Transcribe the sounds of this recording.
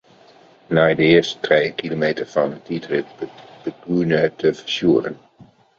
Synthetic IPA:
naːdəɪːɹstətrejkilomejtəvɑnətidrɪt̚bb̥əɡunətʰəvəɹsjuːrən

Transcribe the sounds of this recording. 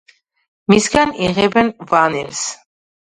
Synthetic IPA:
misɡaniʁɛbɛnvanɛɾs

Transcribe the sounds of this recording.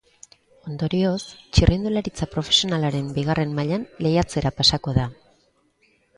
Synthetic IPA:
o̞nd̪o̞ɾio̞st͡ʃirʔind̪ulaɾit͡sapɾo̞fe̞sio̞nalaɾe̞mbiɣ̞are̞mmaʎanle̞jat͡se̞ɾapasako̞ða

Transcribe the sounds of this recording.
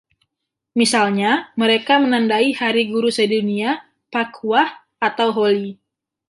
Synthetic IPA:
misalɲaməɾekamənandaihaɾiɡuɾusədunia | pakʰuah | at̪awɦoli

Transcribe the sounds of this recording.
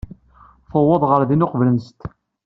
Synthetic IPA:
fəwːɑðˤʁəɾðinʊqvlənst̪

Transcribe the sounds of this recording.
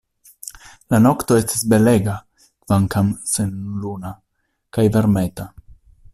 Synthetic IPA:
lano̞kt̪o̞est̪isbe̞le̞ɡa | kv̥aŋkamsenluna | kajveɾme̞t̪a

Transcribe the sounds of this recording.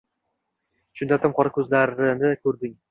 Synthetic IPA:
ʃʊnd̪at̪ʰamqʰɒɾakʲʰɵzlaɾɪnɪkʰɵɾd̪ɪŋ

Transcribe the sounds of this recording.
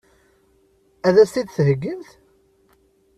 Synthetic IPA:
æðæst̪id̪θɦəɡːəmθ

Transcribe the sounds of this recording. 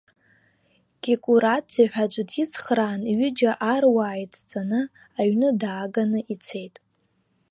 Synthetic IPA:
ɡ̥ʲikʼuɾatʼziħᶣad͡ʒʷʼʊdʰɪt͡sʰχraːnɥɪd͡ʒaʔarwaːjt͡sʰʼt͡sʼanɨ | aɥnɨdaːɡanɨʔit͡sʰe̞jtʼ

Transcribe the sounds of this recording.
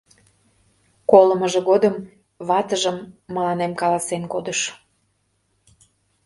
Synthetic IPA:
koləməʒĕɣod̪əm | βɑt̪əʒəmːəlɑnemkɑlɑsenkod̪əʃ

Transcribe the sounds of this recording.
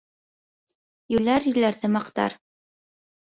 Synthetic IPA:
jɵ̆læɾjɵ̆læɾðɘmɑqt̪ɑ̰ɾ

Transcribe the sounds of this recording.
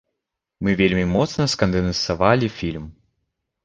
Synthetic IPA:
mɨvʲelʲmʲimɔt̪snɐskɐnd̪ɛnɐnsavalʲifʲilʲm

